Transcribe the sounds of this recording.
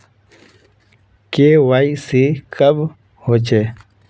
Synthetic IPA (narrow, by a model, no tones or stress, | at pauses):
keːwaːisikɐb | hoːt͡ʃeː